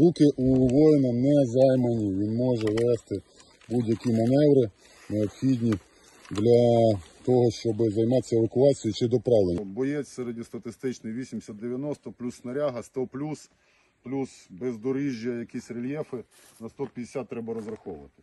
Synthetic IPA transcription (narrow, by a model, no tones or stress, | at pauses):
ukɪʔuʋɔjnɐnɛzɑjmɐnʲiʋʲinmɔʒɛʋɛst̪ɪ | budʲjɐkʲimɐnɛʋɾɪ | neɔpxʲidʲnʲi | d̪lʲɐt̪ɔɦɔʃt͡ʃɔbɪzɐjmɑt̪ʲːɐeʋɐkʊɑt͡sʲijit͡ʃɪd̪ɔpɾɑʋlˠenʲbɔjɛt͡sʲsɛɾedʲist̪ɐt̪ɪst̪ɪt͡ʃnɪxʋʲisʲimsʲɐt̪d̪eʋʲjɐnɔst̪ɔplʲusnɐɾʲaɦɐst̪ɔplʲus | plʲusbɛzd̪ɔɾiʒʲjɐjɐkʲisʲrelʲjɛfɪnɐst̪ɔpʲjɐd̪ʲesʲat̪̚ːɾɛbɐɾɔzɾɐxɔʋʊʋɐt̪ɪ̥